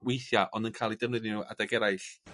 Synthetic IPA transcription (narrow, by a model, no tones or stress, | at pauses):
wejθjaʔɔndənkʰaːlˠidəvnɨðnuʔa̰daɡɛɾajɬ